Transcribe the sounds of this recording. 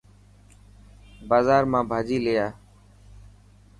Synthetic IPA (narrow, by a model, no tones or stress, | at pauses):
baːzaːɾmãːbʱaːd͡ʒiːlejaː